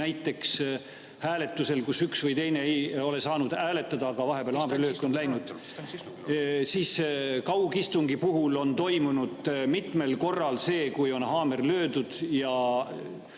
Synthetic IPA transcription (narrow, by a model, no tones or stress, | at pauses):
næjt̪ːˑe̞ks | hæːle̞t̪ːˑuse̞lkusyksvɯjt̪e̞jne̞ejo̞le̞sɑːnud̪̥æːle̞t̪ːˑɑd̪ɑːɡ̥ɑvɑɦe̞peæːlhɑːmriløːkːo̞nlæjnud̪̥ | siːskɑwɡist̪uŋɡipuɦulo̞nt̪o̞jmunud̪̥mit̪me̞lko̞rːɑlse̞ːkujo̞nɦɑːme̞rlø̞ːd̪ud̪̥jɑ